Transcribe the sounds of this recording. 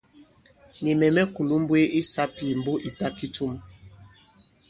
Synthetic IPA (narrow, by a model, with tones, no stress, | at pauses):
ni˨mɛ˨mɛ˦ku˨lu˦m˦bwe˦ʔi˦sa˦pi˦˨m˨bo˦ʔi˨ta˦ki˦tu˦m